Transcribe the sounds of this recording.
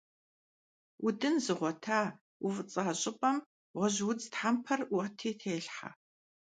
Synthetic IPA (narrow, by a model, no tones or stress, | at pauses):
ʔʊdɨnzɨʁʷɔtʰaː | wʊfɨt͡sʼɐɕʼɪpʼɐm | ʁʷɔʑwʊt͡sʼtħampʰɐrʊtʰeːtʰeːɬħa̰